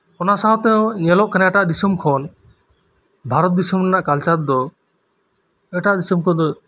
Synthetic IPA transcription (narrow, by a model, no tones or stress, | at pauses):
ɔnasaɔ̃t̪ɛjɔ̃ɲɛlɔʔkanaɛʈaʔd̪isumkʰɔn | bʱaɾɔt̪̚d̪isɔmnɛnaʔkalt͡ʃaɾd̪ɔ | ɛʈaʔd̪isumkʰɔ̃nd̪ɔ